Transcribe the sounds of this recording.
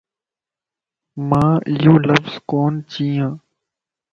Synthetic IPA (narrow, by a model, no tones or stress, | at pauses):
mãːjoːləfz̥koːnt͡ɕĩːãː